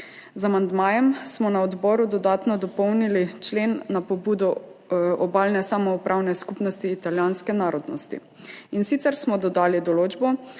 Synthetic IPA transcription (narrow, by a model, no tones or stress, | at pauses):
zamand̪maːjɛmsmɔnaɔd̪bɔːɾud̪ɔd̪aːt̪nɔd̪ɔpɔwnilit͡ʃleːnːapɔbuːd̪ɔ | ɔbaːlnɛsamɔupɾʔaːwnɛskupnɔst̪iːt̪aljaːnskɛnaːɾɔd̪nɔst̪ḭ | insit̪sɛɾsmɔd̪ɔd̪aːlid̪ɔloːd͡ʒbɔ